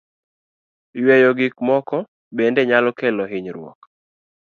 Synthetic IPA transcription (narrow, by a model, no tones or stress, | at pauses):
jwɛjɔɡɪkmɔkɔ | bendeɲalɔkɛlɔɦɪɲɾwɔ̰k